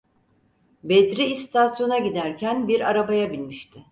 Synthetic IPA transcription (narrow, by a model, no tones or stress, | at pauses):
bed̪ɾiːst̪ʰasjo̞naɟid̪æɾcʰænbiɾaɾabajabilʲmiʃt̪ʰɪ